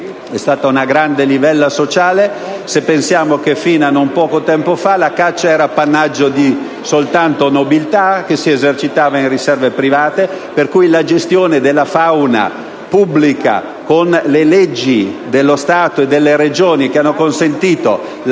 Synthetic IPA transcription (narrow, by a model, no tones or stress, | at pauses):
ɛst̪aːt̪aunaɡɾand̪elivɛlːasot͡ʃaːle | sepːensjaːmokefiːnanːompɔːkot̪ɛmpofalakat͡ʃːaɛːɾapanːad͡ʒːod̪i | solt̪ant̪onobilt̪akesiezert͡ʃit̪aːvainrisɛrvepɾivaːt̪e | perkujlad͡ʒest̪joːned̪elːafawna̰ | publika̰ | konleled͡ʒːid̪elːost̪aːt̪oed̪ːelːeɾed͡ʒoːnikeanːokonsent̪iːt̪o